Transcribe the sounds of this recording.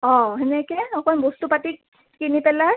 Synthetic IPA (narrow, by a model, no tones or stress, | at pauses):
ɔ̃ɦɛnɛkɛnɔkɔnbostupatik | kinipɛla